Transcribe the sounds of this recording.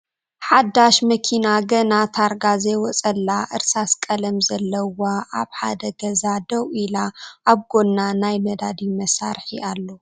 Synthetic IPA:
ħad̪aʃmɐkʰinaɡɐnat̪ʰaɾɡazewɔt͡sʼɐlːaʔɨɾsaskʼɐlɐmzɐlːɐwaʔaβħa̰d̪ɐɡɐzad̪ɐwilaʔaβɡo̞nːanajmɐd̪ad̪imɐsa̰ɾħiʔalːo

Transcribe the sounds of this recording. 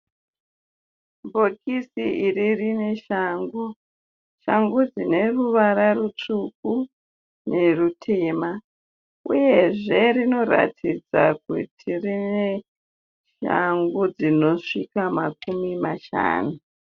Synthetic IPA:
mbo̞kisiiririne̞ʃaŋɡu | ʃaŋɡud͡zine̞ruʋaɾarut͡ʂuk̚u | ne̞rutʰeːma | ṵje̞ʐe̞rino̞ɾa̰tʰid͡za̰k̚ṵtʰirine | ʃa̰ŋɡud͡zino̞ʂikamakumimaʃa̰ːnu

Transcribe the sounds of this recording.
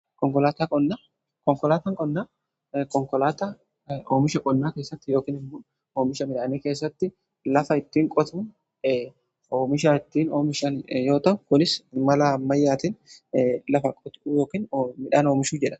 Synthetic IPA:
kɔŋkɔlaːt̪akʼɔnːaː | kɔŋkɔlaːt̪ɐŋkʼɔnːaː | kɔŋkɔlaːt̪a | oːmɪʃɐkʼɔnːaːkeːsːɐt̪ːɪjo̞ːkɪːnɪmːoːn | oːmɪʃɐmɪᶑaːneke̞ːsːɐt̪ːɪ | lɐfɐɪt̪ːiːŋkʼɔt̪uːn | oːmɪʃaːɪt̪ːiːnoːmɪʃɐnjo̞ːt̪ɐʊkɔlɪsmɐlaːmːɐjːaːt̪ɪn | lɐfɐkʼɔt̪ujo̞ːkɪːnmɪᶑaːno̞ːmɪʃuːd͡ʒɛᶑɐ̥

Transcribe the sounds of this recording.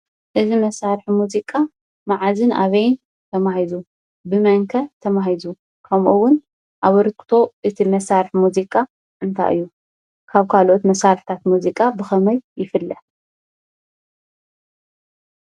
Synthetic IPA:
ʔɨzimɐsaɾħimuzikʼa | maʕazɨnʔa̰βɐjn | t̪ʰɐmahizu | bɨmɐŋkʰɐt̪ʰɐmaɦizu | kʰɐmʔuwːʊn | ʔaβɨɾt̪̚kʰt̪ʰo̞ʔɨt̪ʰimɐsaɾħmuzikʼa | ʔɨnt̪ʰa̰jʔɨ̰jːu | kʰaβkʰalʔot̪mɐsaɾħt̪ʰat̪muzikʼabɨxɐmɐjjɪfɨlːɨħ

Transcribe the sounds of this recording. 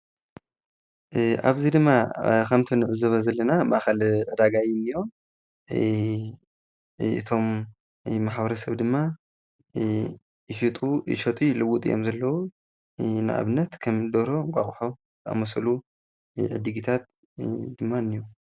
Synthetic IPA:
ʔa̰βzid̪ɨmːakʰɐmt̪ʰinɨʕɨzɐβɐzɐlːɐnamaʔxɐlʕɨd̪aɡajɪnːɨjo̞ | ʔɨ̰t̪ʰo̞mː | aħbɐɾɐsɐβd̪ɨmːa | ɨʃit̪ʼuʃɐt̪ʼijlɨwut̪ʼijomzɐlːɐwu | nɨʔa̰βɨnːɐt̪kʰɐmd̪oɾo̞ŋkʷʼa̰χʼħo | t̪ʰa̰mɐsɐlu | ʕɨ̰d̪ɨɡit̪ʰat̪̚ | d̪ɨmːanːiju

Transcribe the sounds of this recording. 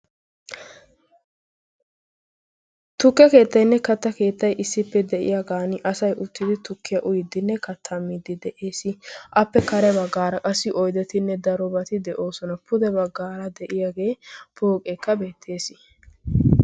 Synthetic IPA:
t̪ʊkːjɐke̞ːt̪ːɐjnːɛkɐt̪ːɐke̞ːt̪ːɐjʔɪsːɪpːɛd̪ɛʔɪ̰jaɡaːnɪʔɐsɐjʔʊt̪ːɪd̪ɪt̪ʊkːɪjɐʔʊjɪd̪ɪnːɛkɐt̪ʰːamiːd̪ɪd̪ɛʔeːsɪʔɐpːɛkɐɾɛbɐɡːaːɾɐkʼɐsːɪʔɔjd̪ɛt̪ɪnːɛd̪ɐɾɔbɐt̪ɪd̪ɛʔo̞ːsɔnɐpʊd̪ɛbɐɡːaːɾɐd̪ɛʔɪjaːɡe̞ːpʰoːkʼekːɐbe̞ːt̪ʰːe̞ːsɪ

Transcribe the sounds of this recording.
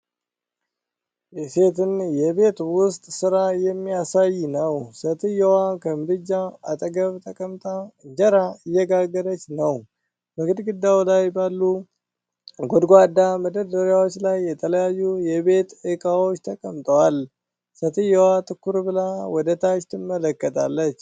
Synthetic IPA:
jɛse̞t̪ɨnjɛβe̞t̪wʊst̪ʼsɨɾajɛmːijasajnəwsət̪ʰɨjːɛwakʰəmɨɾɨd͡ʒːaat̪ʼəɡəβt̪ʼəkʼəmt̪ʼad͡ʒəɾaɨjːɛɡaɡːəɾət͡ʃːnəw | bəɡɨd̪ɡɨd̪ːawlajbalːu | ɡɔd̪ɡʷad̪ːaməd̪əd̪əɾjawo̞t͡ʃːlajːɛt̪ʰələjajːujɛbe̞t̪ɨkʼawot͡ʃːt̪ʰəkʼəmt̪ʼəwal | sət̪ʰɨjːɛwat̪ʰʼɨkːuɾbɨlawɔd̪ət̪ʰaʃt̪ʰɨmːələkːət̪ʰa̰lːət͡ʃː

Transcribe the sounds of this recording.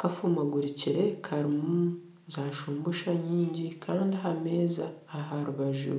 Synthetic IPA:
kafumaɡuɾiciɾe̞kʰaɾimu | zaːʃuːmbuʃaɲiːɲɟikʰaːndiɦame̞ːza̰ːɦaɾuβaʒṵ

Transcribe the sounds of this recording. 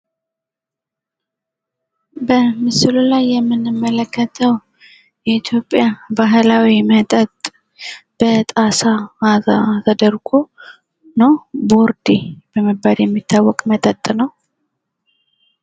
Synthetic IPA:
bəmɨsɨlulajːɛmːɨnːɨmːələkʰːət̪ʰəw | jɛit̪ʰjo̞pʼːjabaɦlawimət̪ʼət̪ʼ | b̥ət̪ʼasaazat̪ʰəd̪əɾɡo | nowboɾd̪ib̥əməbːaljɛmːit̪ʰːawːɔkʼmət̪ʼət̪ʼnəw

